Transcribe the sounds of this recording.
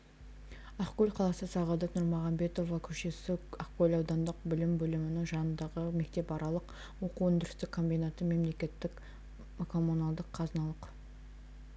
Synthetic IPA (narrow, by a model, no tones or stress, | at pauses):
ɑqkolʲqʰɑlˠɑsəsɑʁɑd̪ənʊɾmoʁɑmbe̞t̪o̞vɑkʲʰɵʃe̞sɪɑqkolʲɑwd̪ɑnd̪əq̚bɪlɪmbɵlɪmɪnɪŋʒɑnənd̪ɑʁəme̞k̚t̪e̞pɑɾɑlˠəq | wo̞quwʏnd̪ɪɾɪst̪ɪkʰːo̞mbijnat̪əme̞mle̞kʲe̞t̪ːɪk | kʰo̞munalˠd̪əqʰːɑznɑlˠəq